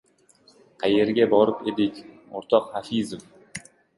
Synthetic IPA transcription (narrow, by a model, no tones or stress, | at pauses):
qʰaje̞ɾɡʲabɒɾɪped̪ɪkʲ | oɾt̪ʰɒqhafizɨf